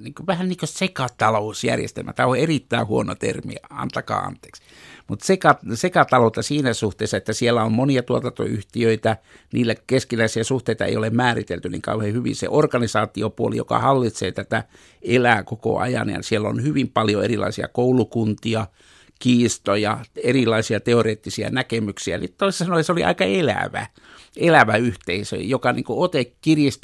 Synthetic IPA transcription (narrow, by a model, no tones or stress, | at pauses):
niːŋkoʋæhænniːŋkøsekɑt̪ɑlosjæ̰rjḛst̪ḛlmæ̰t̪æoerit̪ːæihuono̰t̪ḛrmḭɑ̰nt̪ɑkɑ̰ːɑ̰nt̪e̥ːks | mut̪sekɑsekɑt̪ɑlot̪ɑsiːnæsuht̪eːsːɑet̪ːæsielːæommoniɑt̪uot̪ɑnt̪o̰yht̪iøit̪æniːlːækeskilæisiæsuht̪eit̪ɑḛijolemmæːrit̪elt̪ynḭŋkɑ̰uhehyʋḭnsḛʔorkɑnisɑːt̪iopuolḭjo̰kɑ̰hɑlːit̪sḛːt̪æt̪æ | elæːkoko̰ʔɑ̰jɑ̰njɑ̰sielːo̰nhyʋimpɑljoerilɑ̰isiɑ̰koulukunt̪iɑ | kiːst̪ojɑerilˑɑisiɑt̪eoreːt̪ːisiæ̰nækemyksiænit̪t̪oissɑnojseoliɑ̰ikɑelæ̰ʋæ̰ | elæʋæyht̪eisø̰jokɑnḭːŋkuot̪ekkirjist̪